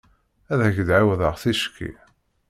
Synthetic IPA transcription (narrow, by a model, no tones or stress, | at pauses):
æðhəʝəd̪ʕawðəʁθiʃkʰːḭ